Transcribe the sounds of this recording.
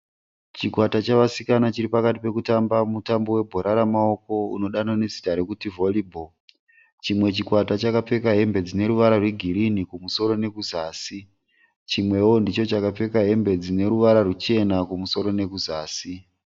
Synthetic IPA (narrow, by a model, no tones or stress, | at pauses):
t͡ʃikwatat͡ʃaʋasikanat͡ʃiɾipakatipe̞kutambamutambo̞we̞bʱo̞ɾaɾamao̞ko̞ṵno̞ɗanane̞si̥taɾekutivo̞libʱo | t͡ʃimwe̞t͡ʃikwatat͡ʃakap͡fe̞kaɦe̞mbe̞d͡zine̞ɾuʋaɾarwe̞ɡʱiɾinikumuso̞ɾo̞ne̞kuzaːsi | t͡ʃimwe̞wo̞ndit͡ʃo̞t͡ʃakap͡fe̞kaɦe̞mbe̞d͡zine̞ɾuʋaɾarut͡ʃe̞nakumuso̞ɾo̞ne̞kuzaːsi